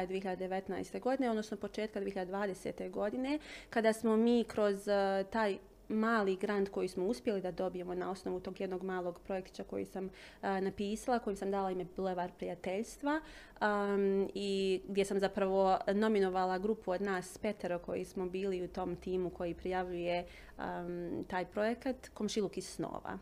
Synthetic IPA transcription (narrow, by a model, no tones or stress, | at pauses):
d̪ʋieçiʎad̪ed̪eʋe̞t̪na̰jst̪e̞ɡo̞d̪ine̞od̪no̞snopo̞t͡ʃe̞ːt̪̚kad̪ʋieçiʎad̪ed̪ʋaːd̪e̞seːt̪e̞ɡo̞d̪ine̞kad̪aːsmo̞miːkɾo̞zt̪aːj | maːliɡɾand̪ko̞jismouspje̞lid̪ad̪o̞bije̞mo̞nao̞snoʋut̪o̞ːɡjed̪no̞ɡmaːlˠo̞ɡpɾo̞je̞kt̪i̥t͡ʃakojḭsam | napiːsalˠako̞jimsamd̪aːlaimebleʋaɾpɾijat̪e̞ʎst̪ʋa | iɡd̪ʲje̞samzapɾaʋo̞no̞minoʋalˠaɡɾupuod̪naːsːpe̞t̪eɾokʰo̞̰jḭsmo̞biːliut̪o̞mt̪iːmukʰo̞jipɾijaʋʎuje̞ | t̪aːjpɾo̞je̞kat̪ko̞mʃilˠukissno̰ːʋa̰